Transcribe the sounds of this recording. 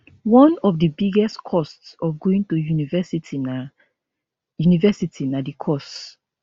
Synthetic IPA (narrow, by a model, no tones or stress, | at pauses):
wɔ̃nɔvdəbiɡɛstkʰɔstsɔvɡoĩntujunivɛsitina | junivɛsitʰinadikʰɔst